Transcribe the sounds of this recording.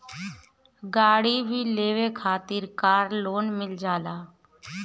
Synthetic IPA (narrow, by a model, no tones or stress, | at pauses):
ɡaːɽiːbʱiːleːʋeːkʰaːt̪ɪːɾkaːɾloːnmɪld͡ʒaːlaː